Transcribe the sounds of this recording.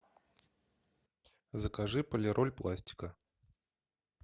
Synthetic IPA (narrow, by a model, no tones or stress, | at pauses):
zɐkaʐɨpəlʲɪɾʔɔlʲplˠasʲtʲi̥kə